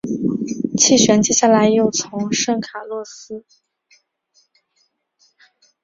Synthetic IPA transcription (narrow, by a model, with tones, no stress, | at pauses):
t͡ɕʰi˥˩ɕɥɛ˧˥nt͡ɕjɛ˥ɕja˥˩la˧˥ɪjo˥˩ʊt͡sʰʊ˧˥ŋʂɤ˥˩ŋkʰa˨˩lwɔ˥˩sɹ̩˥